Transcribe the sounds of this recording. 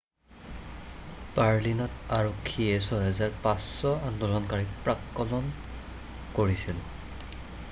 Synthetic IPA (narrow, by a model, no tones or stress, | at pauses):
paɹlinɔtaɹokʰːijɛsɔjɦɛzaɹpasːɔandɔlɔnkaɹik̚pɹakːɔlɔn | koɹisil